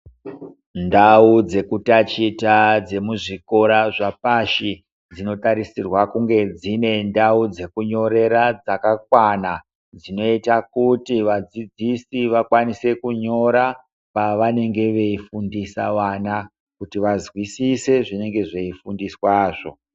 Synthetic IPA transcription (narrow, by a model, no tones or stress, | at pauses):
ndaud͡ze̞kutat͡ʃitad͡ze̞muʐiko̞ɾaʐapaʃi | d͡zino̞taɾisirwakuŋɡe̞d͡zine̞ndaud͡ze̞kuɲo̞ɾe̞ɾad͡zakak̚wana | d͡zino̞itakutiʋad͡zid͡zisiʋakwanise̞kuɲo̞ɾa | paʋane̞ŋɡe̞ʋe̞ifundisaʋana | kutiʋazwisise̞ʐine̞ŋɡe̞ʐeifundiswaːʐo̞̰